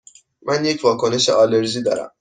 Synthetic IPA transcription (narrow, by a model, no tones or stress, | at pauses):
mʔænjecʰvɒːkʰo̞ne̞ʃḛʔɒːleɾziːd̪ɒ̰ːɾæ̰m